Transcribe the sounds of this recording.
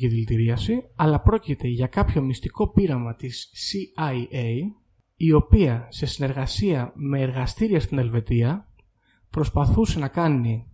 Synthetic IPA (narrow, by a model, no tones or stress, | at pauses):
iðilt̪iɾiɐsiɐlɐpɾo̞cit̪e̞ʝɐkɐpço̞mist̪iko̞piɾɐmɐt̪isiɐie | io̞piɐse̞sine̞ɾɣɐsiɐme̞ːɾɣɐst̪iɾiɐst̪ine̞lve̞t̪iɐ | pɾo̞spɐθuse̞nɐkɐni